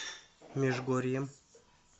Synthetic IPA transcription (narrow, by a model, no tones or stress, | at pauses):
mʲeʒɡoɾijəm